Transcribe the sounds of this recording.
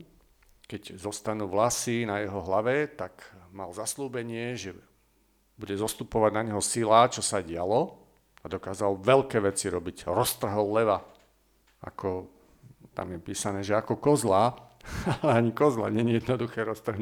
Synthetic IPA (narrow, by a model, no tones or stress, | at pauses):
kɛɟzɔst̪anuːʋlasinajɛɦɔɦlaʋɛt̪akmalzasluːbɛɲɪɛʒɛ | buɟɛzɔst̪upɔʋaɟnaɲɦɔsilaːt͡ʃɔsaɟɪalɔ | ad̪ɔkaːzalʋɛlkɛːʋɛt͡siɾɔbiɟɾɔst̪r̩ɦɔlːɛʋa | a̰kɔ | t̪a̰mjɛpiːsanɛːʒɛakɔkɔzla | alɛaɲikɔzla̰ɲɛɲijɛd̪nɔd̪uxɛːɾɔst̪r̩ɦn